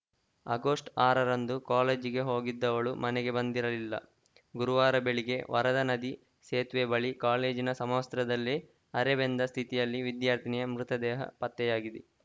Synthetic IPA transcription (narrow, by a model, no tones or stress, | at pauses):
ɐɡoːsʈaːɾɐɾɐnd̪ukaːleːd͡ʒiɡe̞ɦo̞ːɡid̪ːɐʋɐɭumɐnɛɡe̞bɐnd̪iɾɐlilːɐ̰ | ɡuɾuʋaːɾɐbe̞ɭiɡe̞ʋʔɐɾɐd̪ɐnɐd̪i | seːt̪ʋebɐɭikaːleːd͡ʒinɐsɐmɐːst̪ɾɐd̪ɐlːi | ɐɾɛbend̪ɐst̪ʰit̪ijɐlːiʋid̪jaːɾt̪ʰinijɐmɾut̪ɐd̪ɛːɦɐ̰pɐt̪ːɛjaːɡid̪i